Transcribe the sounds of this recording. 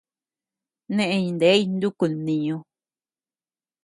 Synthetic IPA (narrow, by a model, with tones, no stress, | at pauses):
nẽ˦ʔẽ˧ɲĩ˧nd̪e˨˦i˦˧nd̪u˦ku˨nĩ˧ɲõ˧